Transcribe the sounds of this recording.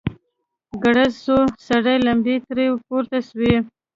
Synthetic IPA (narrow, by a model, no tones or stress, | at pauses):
ɡaɽazsosaɽajlambit̪ɾepoɾt̪aswi